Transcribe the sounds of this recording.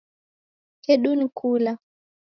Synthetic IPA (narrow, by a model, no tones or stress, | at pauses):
kɛɗunikʰula